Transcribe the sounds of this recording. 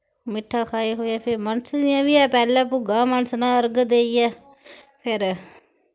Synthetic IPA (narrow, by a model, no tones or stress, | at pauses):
mɪʈʰːaːkʰaːiːɦoːjaːpʰɪɾmənsd̪ɪjãːʋiɛːpɛːlɛ̃ːpʊɡãːmənəsnãːəɾɡd̪eːiːjɛː | pʰɪɾ